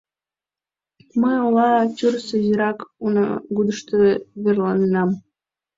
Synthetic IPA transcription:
məjolɑt͡ɕyrsəziɾɑkunə̰ɡud̪əʃt̪əβerlɑninɑm

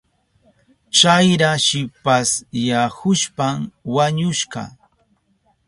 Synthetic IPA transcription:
t͡ʃajɾaʃɪpasjahʊʃpamwaɲʊʃɢɑ̰

